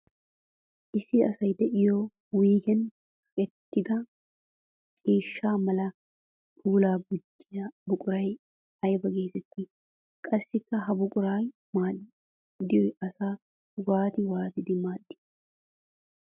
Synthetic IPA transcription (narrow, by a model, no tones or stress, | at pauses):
ʔɪsɪɐsɐjd̪ɛʔɪjoː | wiːkɛn | hɐkʼɛt̪ːɪd̪ɐ | t͡ʃʼiːʃːaːmɐlɐ | t̪uːlaːɡʊdːɪjɐbʊkʼʊɾɐj | ɐjbɐɡe̞ːsɛt̪ːɪ | kʼɐsːɪkːɐɦɐbʊkʼʊɾaːj | maːᶑɪ | d̪ɪjɔjɐsaː | waːt̪ɪwaːt̪ɪd̪ɪmaːɗːɪ̥